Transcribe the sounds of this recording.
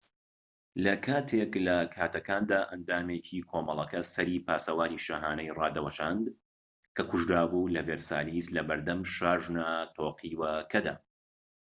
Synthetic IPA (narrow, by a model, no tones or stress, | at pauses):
lɐkʰaːt̪ʰeklɐkʰaːt̪ɐkaːnd̪aːʔɐnd̪aːmeːt͡ʃʰiːkʰoːmɐlˠɐkɐsɐɾiːpaːsɐwaːniːʃɐɦaːnɐjrɑːd̪ɐwɐʃaːnd̪ | kʰɐkʰʊʒd̪aːbuːlɐveːɾsa̰ːliːslɐbɐɾd̪ɐmʃaːʒnat̪ʰoːqʰiːwɐkʰɐd̪aː